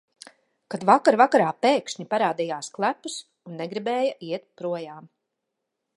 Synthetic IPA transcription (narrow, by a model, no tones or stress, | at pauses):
kad̪vakaɾvakaɾaːpeːkʃɲipaɾaːd̪ijaːsklˠæpːus | unːɛɡɾibɛːjɐʔiɛt̪̚pɾuɔjaːm